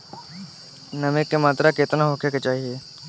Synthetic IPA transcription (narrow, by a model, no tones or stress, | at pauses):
nɐmɪkːemaːt̪ɾakeːt̪ənaɦokjeket͡ʃaːɦie